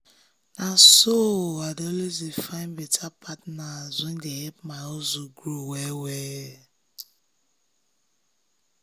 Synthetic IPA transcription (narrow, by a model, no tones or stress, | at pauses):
nasoadolezifaɪnbetʰapʰatnazʊndeepmaozuɡɾuweweː